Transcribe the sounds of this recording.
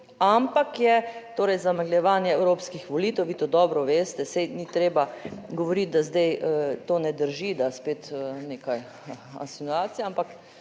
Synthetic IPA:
ampakjɛt̪oːɾɛjzamaɡljɛʋaːnjɛɛwɾoːpskixʋɔliːt̪ɛwʋiːt̪oːd̪ɔːbɾɔʋeːst̪ɛsɛjnit̪ɾeːbaɡɔʋɔɾit̪̚d̪azd̪ɛjt̪oːnɛd̪əɾʒid̪aspeːt̪neːkaj | a̰nsinuaːt̪sijaampak

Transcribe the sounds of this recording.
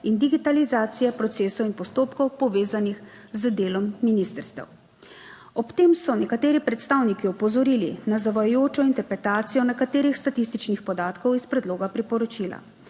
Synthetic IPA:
ind̪iɡit̪alizaːt̪sijɛpɾɔt̪seːsɔwinpɔst̪oːpkɔwpɔʋeːzanix | zəd̪eːlɔmːinist̪əɾst̪ɛ̰w | ɔpt̪eːmsɔnɛkat̪eːɾipɾɛt̪st̪aːwnikiɔpɔzɔɾiːlinazaʋajɔjoːt͡ʃɔint̪ɛɾpɾɛt̪aːt̪sijɔnɛkat̪eːɾixst̪at̪is̬t̪it͡ʃnixpɔd̪aːt̪kɔwispɾɛd̪loːɡapɾipɔɾɔt͡ʃiːla̰

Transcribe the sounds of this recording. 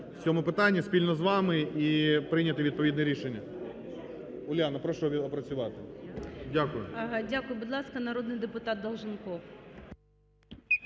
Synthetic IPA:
t͡sʲɔmʊpɪt̪anʲːɐspʲilʲnɔzʋɑmɪipɾɪnʲɐt̪ɪʋʲid̪̚pɔʋʲid̪nɛɾʲiʃenʲːɐ | ʊlʲjanɐpɾɔʃɔɔpɾɐt͡sʲʊʋɑt̪ɪdʲakʊjʊɦdʲakʊjʊbʊd̪lˠɑskɐnɐɾɔd̪nɪjd̪epʊt̪ɑt̪̚d̪ɐlˠʒɪnkɔw

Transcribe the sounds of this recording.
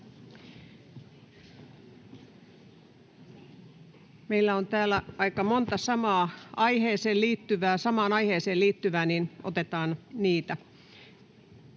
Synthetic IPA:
meilːæont̪æːlːˑæɑikɑmont̪ɑsɑmɑːɑiheːseːlliːt̪ːyʋæːsɑmɑːnɑiheːseːliːt̪ːyʋæːnino̰t̪et̪ɑːnniːt̪æ

